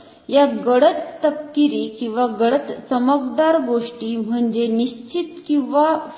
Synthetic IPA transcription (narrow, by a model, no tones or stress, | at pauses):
jaɡəɽət̪ːəp̚kiɾiːkĩw̃ʋaɡəɽət̪t͡səməkd̪aɾɡoʂʈiːm̤əɳd͡ʑeniɕt͡ɕit̪kĩw̃ʋa